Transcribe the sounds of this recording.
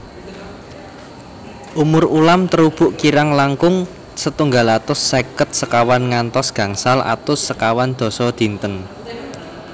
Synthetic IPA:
ʔumʊrulamt̪əɾub̥ʊʔkiɾaŋlaŋkʊŋ | sət̪uŋɡalat̪ʊsːekət̪̚səkawanŋant̪ɔsɡ̥a̤ŋsalʔa̰t̪ʊssəkawand̪̥ɔ̤sɔd̪̥i̤nt̪ən

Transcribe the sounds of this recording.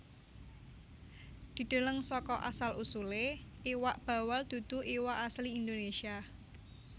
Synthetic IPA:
d̪̥i̤ɖ̪̥ə̤ləŋsɔkɔʔa̰salusule | iwaʔb̥ä̤wald̪̥ṳd̪̥ṳʔiwaʔasliːnd̪onesia

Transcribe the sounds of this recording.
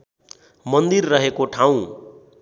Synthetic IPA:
mʌnd̪irːʌɦekoʈʰaw̃

